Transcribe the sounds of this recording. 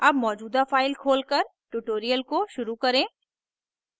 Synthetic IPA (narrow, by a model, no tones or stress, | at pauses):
ɐbmɔːd͡ʒuːd̪afaːɪlkʰoːlkɐɾʈuʈoːɾijəlkoʃʊɾukɐɾẽː